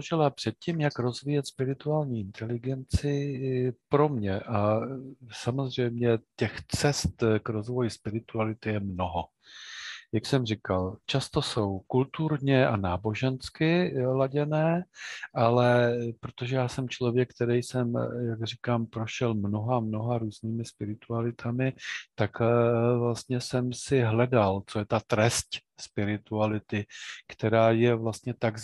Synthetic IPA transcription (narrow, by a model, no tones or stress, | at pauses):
ʒɪlapr̝̥ɛt̪̚cimjakɾo̞zvijɛt̪spɪɾɪt̪uaːlɲiːʔɪnt̪ʰɛlɪɡɛnt͡sɪ | pɾo̞mɲɛʔa | samo̞zr̝ɛjmɲɛcɛxt͡sɛst̪kɾo̞zvo̞jɪspɪɾɪt̪ualɪt̪ɪjɛmnoɦo̞ | jaksɛmrɪkalt͡ʃast̪o̞so̞wkult̪uɾɲɛʔanaːbo̞ʒɛnskɪlaɟɛnɛːʔalɛpɾot̪o̞ʒɛjaːsɛmt͡ʃlo̞vjɛkːt̪ɛɾɛjsɛmjaɡr̝ɪkaːmpɾo̞ʃɛlmno̞ɦamno̞ɦaɾuːzniːmɪspɪɾɪt̪ualɪt̪ʰamɪt̪akvlast̪ɲɛsɛmsɪɦlɛdalt͡so̞jɛt̪at̪ɾɛsc | spɪɾɪt̪ualɪt̪ɪkt̪ɛɾaːjɛvlast̪ɲɛt̪aɡ